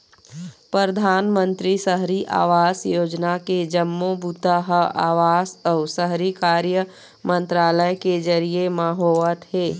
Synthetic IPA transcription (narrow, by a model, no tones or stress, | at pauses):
pɾəɾd̪ʱaːnmə̃nt̪ɾisəɦɾiʔa̰ːʋaːsjoːd͡ʒnaked͡ʒəmːobut̪aɦaːʋaːsəːsəɦɾikaːɾjə | mə̃nt̪ɾaːləjked͡ʒɐɾiemaɦoːʋət̪ɦeː